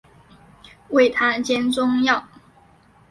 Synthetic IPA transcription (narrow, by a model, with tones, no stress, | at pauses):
we˥˩ɪt̪ʰa˥t͡ɕjɛ˥nt͡sʊ˥ŋjɑ˥˨˩ʊ